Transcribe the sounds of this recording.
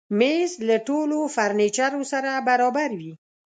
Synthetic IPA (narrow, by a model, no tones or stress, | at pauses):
mezlaʈolofaɾnet͡ʃaɾosaɾabaɾɑbaɾwi